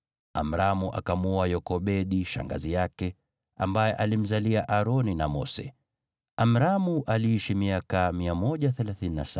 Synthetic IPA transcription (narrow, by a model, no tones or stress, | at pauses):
a̰m̩ɾamuʔa̰kamɔajɔkɔɓɛɗiʃa̰ŋɡa̰zijakɛ | ambajɛʔalim̩zaliaʔaɾɔninamɔ̰sɛ̰ | am̩ɾamuʔaliiʃimiakamiamɔʄaθɛlaθinina̰sa